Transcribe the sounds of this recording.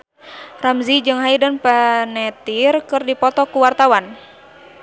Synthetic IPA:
ramzid͡ʒɨŋɦaidanpanɛt̪irkɨrdipɔt̪ɔkuwart̪awan

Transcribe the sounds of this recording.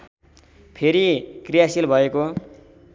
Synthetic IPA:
pʰeɾikrijasilbʱʌeko

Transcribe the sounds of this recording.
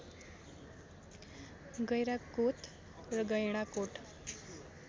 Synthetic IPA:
ɡəjɾakot̪ | ɾəɡəjɳ̃akoʈʰ

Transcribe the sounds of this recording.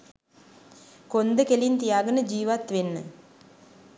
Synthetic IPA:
kond̪əkelint̪ijaːɡənəd͡ʒiːʋat̪ʋenːə̰

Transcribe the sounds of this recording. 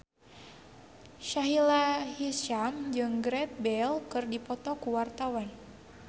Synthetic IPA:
ʃaɦilahiʃamd͡ʒɨŋɡɾɛt̪̚bɛlkɨrdipɔt̪ɔkuwart̪awan

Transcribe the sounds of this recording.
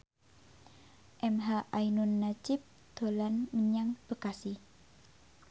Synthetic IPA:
ʔɛmɦaʔajnunːad͡ʒɪp̚ | d̪̥o̤lanməɲaŋb̥əkasi

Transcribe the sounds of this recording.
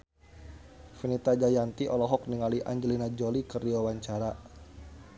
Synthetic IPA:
finit̪ad͡ʒajant̪iʔɔlɔɦɔk̚niŋaliʔa̰ɲd͡ʒəlinad͡ʒolikərdiwawaɲt͡ʃaɾa

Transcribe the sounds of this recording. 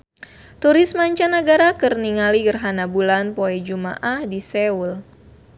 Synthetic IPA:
t̪uɾɪsmaɲt͡ʃanəɡaɾakɨrniŋaliɡərɦanabulanpoɛd͡ʒuma̰ʔahdisɛul

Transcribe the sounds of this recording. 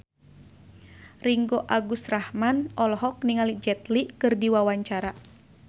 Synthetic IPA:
riŋɡoʔaɡusrahmanʔɔlɔɦɔk̚niŋalid͡ʒɛt̪likɨrdiwawaɲt͡ʃaɾa

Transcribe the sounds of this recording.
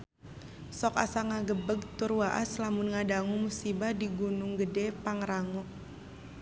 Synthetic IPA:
sɔka̰saŋaɡəbəɡ̚t̪ʊrwaʔa̰slamunŋadaŋumusibahdiɡunʊŋɡədɛpaŋɾaŋɔk̚

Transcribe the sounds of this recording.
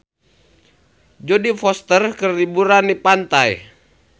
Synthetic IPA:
d͡ʒodifɔst̪ərkərlibuɾanipant̪aj

